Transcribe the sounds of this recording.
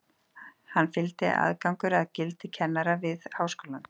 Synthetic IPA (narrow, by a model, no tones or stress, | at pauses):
hanːfɪlt̪ɪa̰ðkawŋkʏɾaðcɪlt̪ɪcʰɛnːaɾavɪðhawskoːwlan